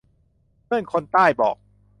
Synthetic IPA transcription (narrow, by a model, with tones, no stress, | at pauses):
ɯ˥˩ənkʰo˧nt̪aː˥˩jbɔ̰ː˨˩k̚